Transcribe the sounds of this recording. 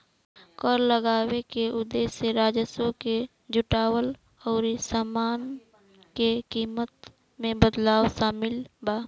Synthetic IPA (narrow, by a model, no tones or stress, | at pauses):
kɔɾləɡaːwekeʔʊd̪eːseɾaːd͡ʒəsõke | d͡ʒʊʈaːwəl | ɔːɾisaːmaːn | kekiːmət̪ | mẽbəd̪laːwsaːmɪlbaː